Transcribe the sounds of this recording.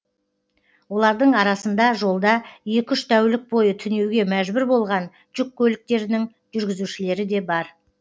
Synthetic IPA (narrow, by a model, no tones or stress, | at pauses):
wo̞lˠɑɾd̪əɴɑɾɑsənd̪ɑʒo̞lˠd̪ɑje̞kʲʏʃt̪ʰæwlɪk̚bo̞jət̪ʰʏne̞wɡʲe̞mæʒbʏɾbo̞lˠʁɑn | ʒ̥ʏkʲːɵlɪk̚t̪e̞ɾɪnɪŋ | ʒ̥ʏɾɡʲɪzuʃɪle̞ɾɪd̪e̞bɑɾ